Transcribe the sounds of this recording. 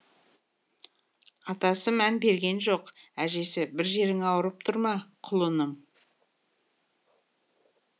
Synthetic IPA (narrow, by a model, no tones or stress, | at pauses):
ɑt̪ɑsəmænbe̞ɾɡʲe̞nʒo̞qæʒe̞sɪbɪɾʒe̞ɾɪŋɑwəɾəp̚t̪ʰʊɾmɑqʰʊlˠənəm